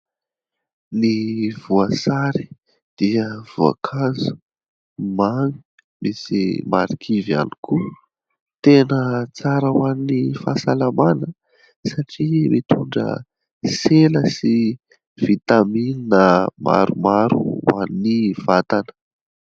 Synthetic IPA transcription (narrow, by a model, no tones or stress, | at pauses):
nivuəsaɾi | d̪̥iəv̥ua̰kʰazu̥ | mani̥ | misima̰ɾikʰiva̰nikʰu | t̪enət͡saɾəwaninifasalamanə | saʈ͡ʂimit̪uɳɖ͡ʐə̰ | seləsi | v̥it̪amininəmʔa̰ɾumaɾṵwa̰niniv̥at̪anə̥